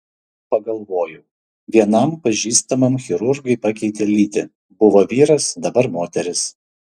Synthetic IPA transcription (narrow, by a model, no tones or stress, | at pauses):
pɐɡɐlˠʋoːjʊ | ʋʲiɛnɐmpɐʒʲiːst̪ɐmɐmxʲɪɾʊɾɡɐɪpɑkʲɛɪt̪ʲelʲiːt̪ʲɪ | bʊʋoːʋʲiːɾɐsd̪ɐbɐɾmoːt̪ʲɛɾʲɪs